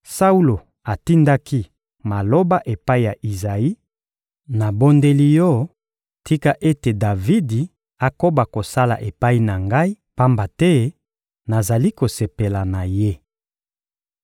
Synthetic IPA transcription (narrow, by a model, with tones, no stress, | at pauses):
sa˦u˦lo˨ | a˨ti˦nda˦ki˦ | ma˨lo˦ba˦ʔe˨pa˦i˦ja˨ʔi˨za˨i˦ | na˨bo˦nde˦li˦jɔ˦ | ti˦ka˦ʔe˦te˨da˨vi˦di˨ | a˨ko˦ba˨ko˨sa˦la̰˨ʔe˨pa˦i˦na˨ŋɡa˦i˦ | pa˦mba˨tɛ˦ | na˨za˨li˦ko˨se˨pe˨la˨na˨je˦